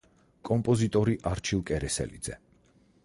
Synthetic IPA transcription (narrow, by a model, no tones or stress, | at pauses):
kʼɔmpʼɔzit̪ʼɔɾiʔaɾt͡ʃʰilˠkʼɛɾɛsɛ̰lid̪zɛ